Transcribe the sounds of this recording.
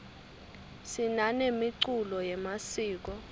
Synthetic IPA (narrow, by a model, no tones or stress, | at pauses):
sinanemiǀulɔjɛmasiːk̬ɔ